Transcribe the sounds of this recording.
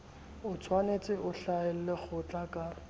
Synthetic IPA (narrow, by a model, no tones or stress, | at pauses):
ʊt͡sʰwanet͡sʼɪʔʊɬaɪl̩lɪk͡xʰʊt͡ɬʼakʼa